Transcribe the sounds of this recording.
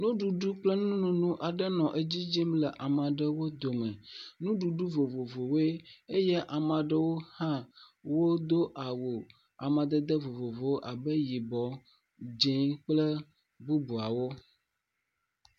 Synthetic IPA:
nũ˦ɖu˨ɖu˦k͡plə˦nũ˦nũ˨nũ˦ʔa˨ɖə˦nɔ̃˨ʔe˦d͡ʑi˦d͡ʒi˦mlə˨ʔa˨mã˨ɖə˦wo˦d̪o˨mɛ̃˨nũ˦ɖu˨ɖu˦vo˨vo˨vo˨we˦e˦jɛ˦ʔa˨mã˨ɖə˦wo˦hã˦wo˦d̪o˦ʔa˨wo˨ | a̰˨mã˨d̪ə˦d̪ə˦vo˨vo˨vo˦ʔa˨bə˦ji˨bɔ˨ | d͡ʒẽ˦k͡plə˦ | bu˦bu˨a˨wo˦

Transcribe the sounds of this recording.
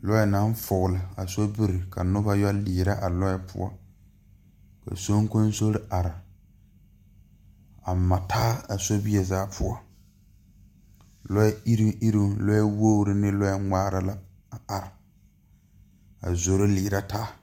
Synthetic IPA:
lɔ˦jɛ˦na˦ɱ˦fʊ˨ɣʊ˨lɪ˨a˨so˦bɪ˦ɾɪ˨ka˨nʊ˦ba˦jɔ˦liː˨ɾa˦ʔa˨lɔ˦jɛ˦pʰʊ̰˦ɔ̰˦ | ka̰˨so˦ŋ˦ko˦n˦so˦ɾɪ˦ʔa˨ɾɪ˨ | a˨ma˨tʰaː˦a˨so˦bi˦ɛ˨zaː˦pʰʊ˦ɔ˦ | lɔ˦jɛ˦i˦ɾi˦i˦ɾu˦lɔ˦jɛ˦wo˦ɾɪ˦nɪ˦lɔ˦jɛ˦ŋaː˦ɾa˨la˦ | a˨a˨ɾɪ˨ | a̰˨zo˨ɾo˦liː˨ɾa˦taː˦

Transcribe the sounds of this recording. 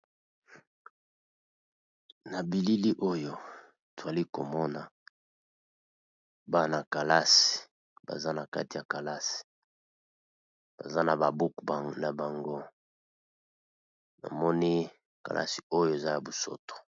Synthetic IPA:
na˨bi˨li˦li˦ʔo˦jo˨ | to˨a˨li˦ko˨mɔ˦na˨ | ba˦na˨ka˨la˦si̥˨ | ba̰˨za˦na˨ka̰˦ti˨ja˨ka˨la˦si̥˨ | b̥a̰˨za˦na˨ba˨bu˦kna˨ba˨ŋɡo˦ | na̰˨mɔ˦ni˦ | ka̰˨lʔa̰˦si̥˨o˦jo˦e˨za˦ja˨bu˨so̰˦to̥˨

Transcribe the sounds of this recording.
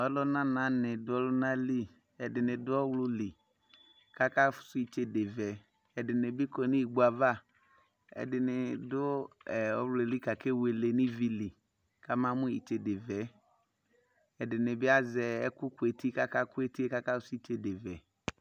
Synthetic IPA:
ɔ˦lɔ˦nã˦nã˨˦nɪ˨dʊ˦ɔ˦lʊ˦nã˦li˦ | ɛ˨dɪ˨nɪ̃˨dʊ˦ɔ˦wlʊ˦li˨ | ka˦ka˦fʊ̥˨sʊ˦i˨t͡ʃe˨de˨vɛ˨ | ɛ˨dɪ˨nɪ˨bɪ˦kɔ˨nĩ˦i˨ɡ͡bu˨a˨va˦˨ | ɛ̰˨dɪ˨nɪ˨dʊ˦˨ɔ˦wle˨li˦ka˨ke˦we˨le˨nɪ˦vi˦li˨ | ka˦mã˦mʊ̃˦i˨t͡ʃe˨dɪ˨vɛ˨˦ | ɛ˨dɪ˨nɪ˨bɪ˦a˦zɛ˨ɛ˦kʊ˦kʊ˨e˨ti˦ka˦ka˦kʊ˦e˦ti˦e˦ka˦ka˦fʊ˦sʊ˦i˦t͡ʃe˨de˨vɛ˨

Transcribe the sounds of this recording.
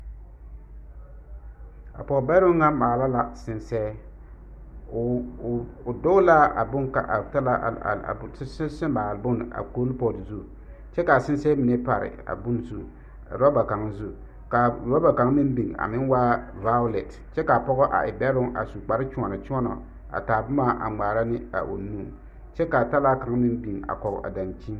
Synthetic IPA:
a̰˨pɔ˨ɣɔ˨bɛ˦ɾʊ˦ŋːa˦maː˨la˦la˨sɪ˨nsɛː˦˨ | dʊ˦la˦a̰˨bʊ˦ŋka̰˨ʔa˨ta˦la̰˦˨˦ssɪ˦maː˨lbʊ˦n˨a̰˨koː˦lpɔ˨li˨zu˦˨ | t͡ʃɛ˦ka˨sɪ˦n˦sɛː˦mɪ˨ne˦pa˨ɾɪ̰˨a̰˨bʊ˦n˦zu˦˨ | ɾɔ˦ba˨ka˨ŋ˦zu˦˨ | ka˨ɾɔ˦ba˨ka˨ŋ˦mɪ˦m˦bi˨ŋa̰˨mɪ˦n˦wa˦va˦lɛ˨t | t͡ʃɛ˦ka˨pɔ˦ɣɔ˦ʔa̰˨ʔɪ˨bɛ˦ɾʊ˦ŋʔa̰˨su˨k͡pa˨ɾɪ˦t͡ʃʊ˦ɔ˨nɨ˨t͡ʃɔ˦nɔ̰˨ | a̰˨taː˨bʊ˦ma˦ʔa̰˨ŋ͡maː˨ɾa˦nɪ˦a̰˨ʔo̰˨nuː˦˨ | t͡ʃɛ˦ka˨ta˦la˦ka˨˦ŋ˦mɪ˦n˦bi˨ŋa̰˨kɔ˨ʔa̰˨da˨nt͡ʃi˦

